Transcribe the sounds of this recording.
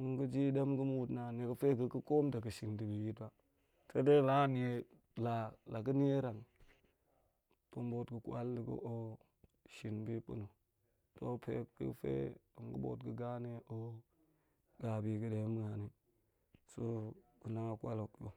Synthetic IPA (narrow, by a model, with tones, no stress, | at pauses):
u˦ŋɡu˦d͡ʒi˦de˦mɡə˦m˦u˦˨tna˨n˨e˨kə˦fe˦ɡə˨ku˦ko˦mda˨ɡə˨ʃi˨ndi˨bi˨ji˦tba˦ | se˦de˦la˦ni˨e˨ | la˨la˨kə˦ni˦e˦ɾa˨ŋ | to˨mbo˨tɡə˨kʷa̰˦ldi˨ɡṵ˦ʔo˦ | ʃi˨nbi˦pṵ˦nu˨ | to˦pḛ˦ḭ˦fḛ˦u˨ŋɡə˦bo̰˨tɡə˨ɡa˦ne˦ʔo˦ | ɡ̥a˨bi˨ɡə˨de˨˦m˦ɡa˨ni˨˦ | so˦ɡu˨na˦ŋa˨kʷa˦lo˨kjo̰˨